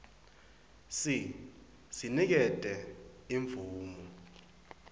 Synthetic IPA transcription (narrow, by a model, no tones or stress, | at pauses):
si | sinik̬ɛd̥ʼɛiɱb̪vuːmu